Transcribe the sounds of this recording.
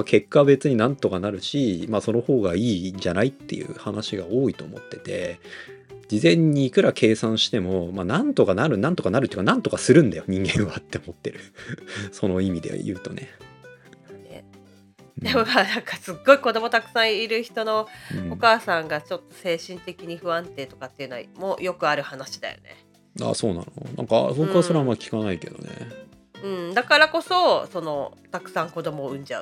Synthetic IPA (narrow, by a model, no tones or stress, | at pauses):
akʰe̞kːabe̞t͡sɨɲ̟inãnt̪o̞kanaɾɯ̟ɕimaːso̞no̞ho̞ːɡaiːd͡ʑanait̪ːe̞jɯ̟̰ːhanaɕiɡao̞ːit̪o̞ːmo̞̰t̪ːe̞t̪e̞ | d͡ʑizẽ̞ɲ̟ːiːkɯ̟ɾakʰe̞ːsãɰ̃ɕi̥t̪e̞mo̞maːnãnt̪o̞kanaɾɯ̟nãnt̪o̞kanaɾɯ̟ːiːkanãnt̪o̞kasɨɾɯ̟̃nd̪ajo̞ɲ̟ĩŋɡẽ̞ɰ̃βat̪ːe̞omo̞t̪ːe̞̰ɾɯ̟so̞no̞imʲid̪e̞̰jɯ̟̰ːt̪o̞̰ne̞̰ | ḛ | d̪emomanãŋkasɨɡːo̞iko̞d̪o̞mot̪akɯ̟̥sãɰ̃iɾɯ̟çi̥t̪o̞no̞okaːsãŋɡat͡ɕo̞t̪ːo̞̥se̞ːɕĩnt̪e̞kʲiɲ̟iɸɯ̟βãnt̪e̞ːt̪o̞̥kat̪ːeiɯ̟noa̰mo̞̰jo̞kɯ̟aɾɯ̟hanaɕi̥d̪a̰jo̞̰ne̞̰ | a̰ːso̞ːna̰nonã̰ŋkasokɯβasoɾeamakʲi̥kanaike̞̰d̪o̞̰nḛ | ɯ̟̃ɴd̪akaɾako̞so̞so̞no̞t̪akɯ̟̥sãŋko̞d̪o̞mo̞ɯ̟̃ɲ̟d͡ʑaɯ̟